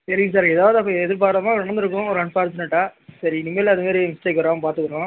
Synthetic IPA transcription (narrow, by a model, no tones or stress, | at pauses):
sɐɾiŋɡs̬aːɾɛðaːʋðɯɐp̬ːɐ̃ɛðɪɾp̬aːʈlamaːɔɾɔɳɐnd̪ɯɾɯk̬ːʊ̃ɔɾɯɐɳpaːɾt͡ʃɪnɐʈːaːsɐɾinɪmːelːɐðɯmeːɾimɪsʈeːkːʋɐɾãːpaːɾt̪ɯkːɯɾõː